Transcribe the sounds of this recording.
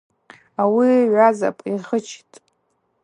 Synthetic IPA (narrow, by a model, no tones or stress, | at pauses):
awiɥʷaza̰pʼiχət͡ʃʰi̥tʼ